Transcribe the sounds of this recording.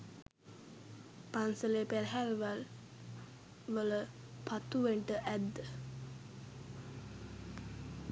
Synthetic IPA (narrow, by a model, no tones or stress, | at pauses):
pansəlepeɾɦælʋal | ʋələ | pʰat̪uʋeɳʈəʔæd̪ːə